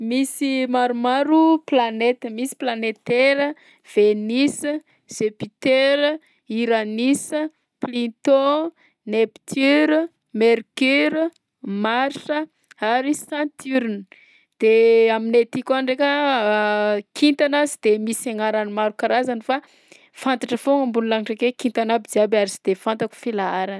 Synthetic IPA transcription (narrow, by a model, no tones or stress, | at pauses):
misimaɾumaɾuplanet̪əmisi̥planet̪eɾə | v̥enisə | z̥epit̪eɾə | iɾanisə | plit̪o | nepi̥t̪ʰyɾ | meɾkyɾ | maɾsə | aɾisãnt̪ʰyɾnə | d̪̥eaminet̪ikanɖ͡ʐekʲa | kʰint̪anazid̪̥emisaŋaɾanimaɾukaɾazanifa | fant̪aʈ͡ʂəfoŋambunulaŋʈ͡ʂekekint̪anabid͡ziabaɾisi̥d̪̥efant̪aku̥filaaɾan